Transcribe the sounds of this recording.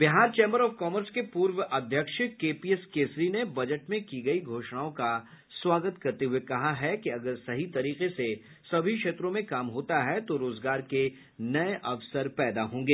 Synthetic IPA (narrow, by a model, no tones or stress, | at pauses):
bɪɦaːɾt͡ʃẽːmbəɾɔːfkɔːməɾskepuːɾwəʔɐd̪ʱjəkʃkeːpiɛskeːsɾinebɐd͡ʒəʈmẽkiɡɐiɡʱoːʃñaːõka | swaːɡət̪kɐɾt̪eɦuekɐɦaɦɛkiɐɡəɾsɐɦit̪ɐɾiːqese | sɐbʱikʃeːt̪ɾõmẽkaːmɦoːt̪aɦɛt̪oɾoːzɡaːɾke | nɐeʔɐʋsəɾpɛːd̪aɦõːŋɡeː